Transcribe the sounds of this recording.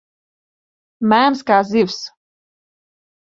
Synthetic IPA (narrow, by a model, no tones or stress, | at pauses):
mæːnskaːziws